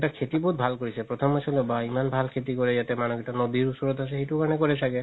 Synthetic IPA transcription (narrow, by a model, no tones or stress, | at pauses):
takʰetibɔɦut̚bʱalkoɹisɛpɹɔt̪ʰɔmɔsɔlɔbaimanbʱalkʰetikɔɹɛjatɛmanɔɡɛtanobiɹusɔɹɔtasɛxetukaɹɔnɛkɔɹɛsakɛ